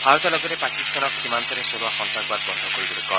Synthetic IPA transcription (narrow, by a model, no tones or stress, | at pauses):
baɾɔt̪alɔɡɔɾepakist̪anɔksimant̪ɔɾesoɾuwaxɔnt̪aɡ̚bad̪̚bɔnd̪ʱɔkoɾibɔɾekɔ